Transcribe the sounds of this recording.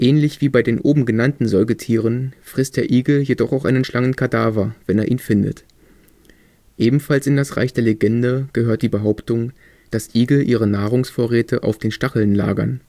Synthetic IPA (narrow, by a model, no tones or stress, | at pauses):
ʔɛːnlɪçv̥iːbaɪdeːnʔoːbm̩ɡənantn̩zɔlɡətʰiːʁ̞ənfʁ̥ɪstd̥eːɐʔiːɡl̩jedɔχaʊxʔa̰ɪnənʃlaŋənkʰadaːvɐv̥ɛneːɐʔḭːnfɪndə̰t | ʔeːbm̩falsɪndasʁa̰ɪçd̥eːɐleɡɛndəɡ̥əɦøːɐt̚d̥iːbəɦaʊptʊŋ | d̥asʔiːɡl̩ʔiːʁ̞ənaːʁʊŋsfoːɐʁɛːtʰəʔa̰ʊfd̥eːnʃtaχl̩nla̰ːɡɐ̰n